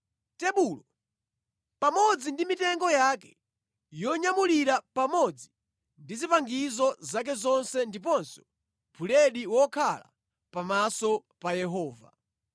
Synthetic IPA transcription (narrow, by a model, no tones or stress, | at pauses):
tɛɓuːlɔ | pamɔd͡zindimitɛŋɡɔjakɛ̥ | jɔɲamuliɾapamɔd͡zi | ndizipaŋɡizɔzak̬ɛzɔnsɛndip̬ɔnsɔ̥ | bʰulɛɗiwɔkʰala̰ | pamasɔ | pajɛɦɔːva̰